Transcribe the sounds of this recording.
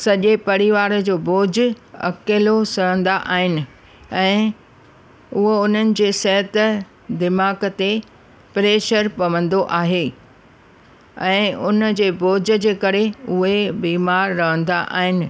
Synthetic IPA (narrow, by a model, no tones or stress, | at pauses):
sɐʄepɐɾiʋaːɾd͡ʑoːboːd͡ʑɐ̰keːlosɐɦə̃nd̪aʔa̰ːɦɪnɪ̆ | ɛ̃ː | ʊɦoʊn̤ənɪ̆d͡ʑeːsɛɦət̪ | d̪ɪmaːɡt̪e | pɾeːʃəɾpɐʋə̃nd̪oʔaːɦeː | ɛ̃ːʊnə̆d͡ʑeːboːd͡ʑə̆d͡ʑeːkɐɾeʊɦebiːmaːɾːɐɦə̃nd̪a̰ʔa̰ːɦɪnɪ̆